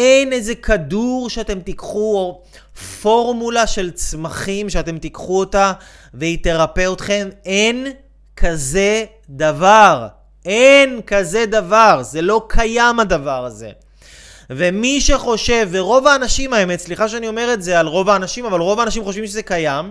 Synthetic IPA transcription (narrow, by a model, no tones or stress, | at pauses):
ʔenezekʰaduʁʃeat̪e̞mt̪ikχuo | fo̞ʁmulaʃe̞lt͡smaχimʃeat̪e̞mt̪ikχuotaveit̪eʁape̞o̞t̪χe̞men | kʰaze̞ | d̪avaʁ | enkaze̞d̪avaʁze̞lo̞kʰajamadavaʁaze̞̰ | ve̞miʃeχo̞ʃe̞vːeʁo̞vaːnaʃimaemett͡sliχaʃ̬eanio̞me̞ʁetzealʁo̞vaːnaʃimavalʁo̞vaːnaʃimχo̞ʃvimʃezekajam